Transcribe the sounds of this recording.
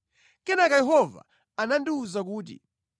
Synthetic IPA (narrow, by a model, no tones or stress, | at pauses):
kɛnakajɛɦɔva̰ | anandiuzak̬uːt̬ḭ